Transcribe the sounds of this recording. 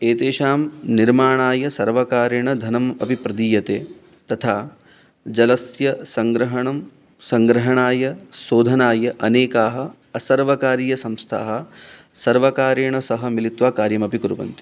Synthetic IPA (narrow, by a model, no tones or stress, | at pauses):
eːt̪eːʃaːmniɾmaːɳaːjɐsɐɾʋɐkaːɾɐɳɐd̪ʱɐnɐmɐbʱipɾɐd̪iːjɐt̪eː | t̪ɐt̪ʰaː | d͡ʒɐlɐsjɐsɐŋɡɾɐɦɐɳɐm | sɐŋɡɾɐɦɐɳaːjɐsoːd̪ʱɐnaːjɐʔɐneːkaːɦɐ̆ | ɐsɐɾʋɐkaːɾjɐsɐmst̪ʰa̰ːɦɐ̆sɐɾʋɐkaːɾɐɳɐsɐɦɐmilit̪ʋaːkaːɾjɐmɐpikuɾuʋɐ̰nt̪i̥